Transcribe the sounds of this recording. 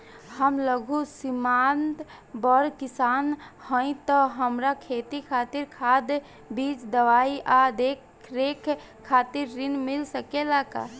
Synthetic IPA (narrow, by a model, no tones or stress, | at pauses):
həmləɡʱusɪmaːnt̪ | bɔɾkɪsaːnhə̃ĩt̪ɔɦəmɾakʰeːt̪ikʰaːt̪ɪɾkʰaːd̪ | biːt͡ʃd̪əʋaːiʔad̪ek | ɾeːkʰː | aːt̪ɪɾːɪnmɪlsəkelaka̰